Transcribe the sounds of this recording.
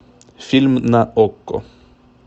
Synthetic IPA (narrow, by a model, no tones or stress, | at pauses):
fɪlmnaɔkːɔ̰